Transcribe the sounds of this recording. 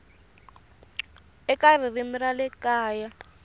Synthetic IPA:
ɛkar̤irimiralɛkaːja

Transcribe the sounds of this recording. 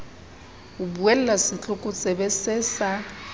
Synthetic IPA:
ubuɛl̩lasɪt͡ɬʼʊkʼʊt͡sʼɛbɛsɛsa

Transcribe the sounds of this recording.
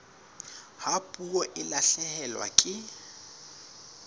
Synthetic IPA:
hapʼuɔʔɪlaɬɛhɛlwa̰kʼɪ

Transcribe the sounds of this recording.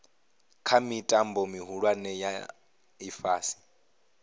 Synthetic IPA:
kʰamitʼambɔmiɦuɺwanɛja̰ | ifaːsi̥

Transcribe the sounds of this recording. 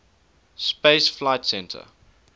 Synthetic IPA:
speɪsflaɪtsɛ̃ntʰə̰

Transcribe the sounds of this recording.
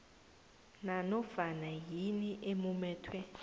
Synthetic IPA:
nanɔfanaɦiniʔemumɛːtʰwɛ

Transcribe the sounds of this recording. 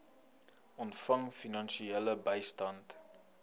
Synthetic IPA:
ʔɔntfɐŋfinɐnʃieləbəjstɐnt

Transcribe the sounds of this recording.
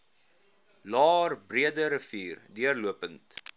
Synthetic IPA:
lɑːrbriədəɾəfiːrdiərluəpənt

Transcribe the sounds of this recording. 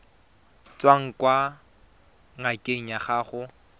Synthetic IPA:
t͡sʼwaŋ̩kwa | ŋakʼeɲaχaːχʊ

